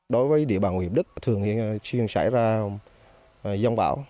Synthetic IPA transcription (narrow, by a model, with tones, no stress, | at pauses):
ɗo˨˦jvəː˨˦jɗḭ˧˩əɓaː˨˩ŋwi˨˩ɗɨ˦˥k̚t̪ʰɨ˨˩əŋ˨t͡ɕi˧əŋsa̰˧˩jzaː˧ | za˧wŋ͡mɓa̰ː˧˥˩w